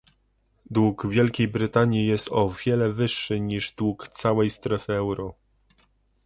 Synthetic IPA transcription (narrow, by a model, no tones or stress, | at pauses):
d̪wuɡvʲjɛlkʲejbɾɘt̪aɲjijɛst̪ɔvʲjɛlɛvɘʂːɘɲiʐd̪wukt̪sawɛjst̪ɾɛfɘɛwɾɔ